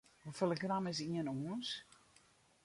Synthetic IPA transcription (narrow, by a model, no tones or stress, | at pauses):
ufələɡramɪs̬iənuəns